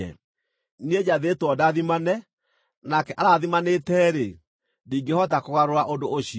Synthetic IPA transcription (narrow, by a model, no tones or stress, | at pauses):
ɛ̰ | nied͡ʑaðetwɔdaðimanɛ | nakɛʔaɾaðimanetɛːɾe | diːŋɡehɔtakoɣaɾoɾaʔondoʔoɕi